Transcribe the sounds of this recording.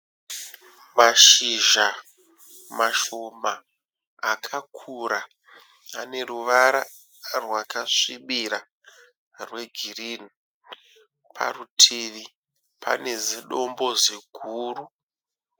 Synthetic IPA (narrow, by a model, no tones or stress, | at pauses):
maʃiʒa | maʃomaː | kʰakʰuɾaː | ne̞ruʋaɾa | rwakaʂiɓiɾa | rwe̞ɡʱirini | pʰa̰rutʰiʋi | pʰa̰ne̞ziɗo̞mbo̞zeɡʱuːru